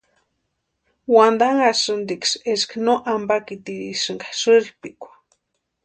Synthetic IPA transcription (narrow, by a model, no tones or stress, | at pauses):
wand̪aŋasɨnd̪iksesknoʔambakit̪iɾḭʃɨŋɡḁʃɨɾihpikʷḁ